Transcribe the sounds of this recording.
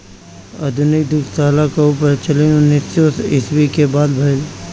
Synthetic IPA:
ə̰d̪ʱʊnɪk̚d̪ʊkʰt̪aːlakeupəɾt͡ʃəlijũnɪsoːsɪswikebaːd̪bʱɐl

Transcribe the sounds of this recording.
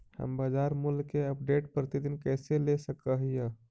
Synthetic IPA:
hə̰mbəd͡ʒaɾmulkeəp̚ɖeʈpɾət̪id̪inkɛselesəkəɦijə

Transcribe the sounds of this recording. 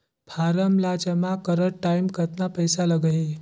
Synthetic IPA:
pʰaɾəmlad͡ʑəmakəɾəɽʈːaimkət̪napəjsaləɡɦe

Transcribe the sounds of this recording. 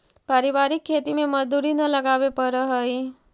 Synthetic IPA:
paɾibaɾikʰːet̪imemʌd͡zd̪uɾinʌləɡabepʌɾʌɦʌj

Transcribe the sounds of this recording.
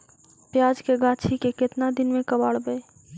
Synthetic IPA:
pjad͡ʒkeɡat͡ʃʰikeket̪nad̪ɪnmekəbaɽbɛ

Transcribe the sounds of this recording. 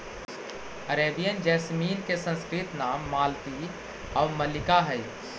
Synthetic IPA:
əɾeːbijənd͡ʒɛːsmiːnkesə̃nskɾɪt̪naːmːaːlt̪i | ɔːɾməlɪkaɦɛj

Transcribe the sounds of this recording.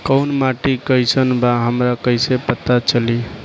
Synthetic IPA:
kəʊnmaʈikəjsənbaɦəmɾakəjsepət̪at͡ʃəli

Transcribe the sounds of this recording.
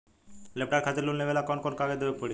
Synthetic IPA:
lep̚ʈaɾkʰat̪eɾlulnebelakɔnkɔnkaɡed̪ebepoɽi

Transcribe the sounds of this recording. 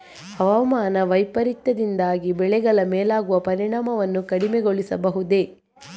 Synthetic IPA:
hɐʋɐmaːnɐʋɐjpɐɾit̪ːɐd̪ind̪aːɡibɛɭɛɡɐɭɐmeːlaːɡuʋɐpɐɾiɳaːmɐʋɐnːukɐɽimeɡoɭisɐbɐɦud̪e̞

